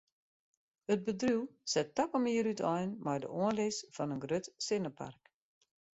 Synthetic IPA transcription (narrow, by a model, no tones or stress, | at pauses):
ət̚bədruwsɛtːɔpəmiəɾytʰɔjnmɛjdə̰ʔoənlɪsfɔnənɡrøtsɪnəpʰa̰rk